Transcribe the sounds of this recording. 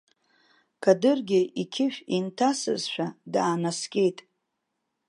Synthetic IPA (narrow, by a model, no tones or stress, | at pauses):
kʰadɨrɡʲɪikʲʰɪʃᶣintʰasɨ̰zʃᶣadaːnaskʲʼe̞jtʼ